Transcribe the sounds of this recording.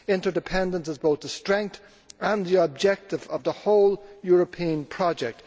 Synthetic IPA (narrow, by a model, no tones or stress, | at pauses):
ɪ̃ntə˞dɨpʰɛ̃ndə̃nsəzboʊθðəstɹ̥ɛ̃ŋk̚θ | ə̃nðiəb̚d͡ʒɛk̚tɪvəvðəhoʊlˠjɔːɹəpʰĩə̃npʰɹ̥ɑd͡ʒɛk̚t